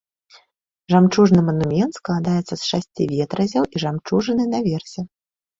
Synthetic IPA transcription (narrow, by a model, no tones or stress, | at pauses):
ʐamt͡ʂuʐnɨmɐnumʲɛnt̪sklˠad̪ajɛt̪sːɐsʂasʲt͡sʲivʲɛt̪ɾɐzʲɐwiʐamt͡ʂuʐɨnɨnɐvʲɛrsʲɛ